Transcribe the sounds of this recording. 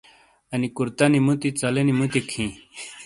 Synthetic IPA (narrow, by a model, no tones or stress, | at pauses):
ɐnikuɾt̪ɐnimut̪it͡sɐlenimut̪ikʰĩ